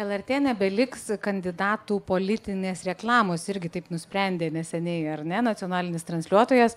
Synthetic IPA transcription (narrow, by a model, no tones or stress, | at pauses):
ɛlˠɛrʲt̪ʲeːnʲɛbʲɛlʲɪkskɐnʲd̪ʲɪd̪ɑːt̪uːpoːlʲɪt̪ʲɪnʲeːsɾʲɛklˠɑːmoːsɪɾʲɡʲɪt̪ɐɪpnʊsʲpʲɾʲɛnʲd̪ʲeːnʲɛsʲɛnʲɛɪɐrnʲɛnɐt͡s̪ʲɪoːnɑːlʲɪnʲɪst̪ɾɐnʲsʲlʲuɔt̪oːjɛs